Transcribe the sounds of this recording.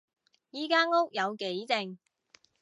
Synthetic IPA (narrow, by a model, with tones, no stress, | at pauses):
jiː˨˥kaː˥ŋo˥k̚jɐ˨˧wke˨˥jt͡sɪ˧ŋ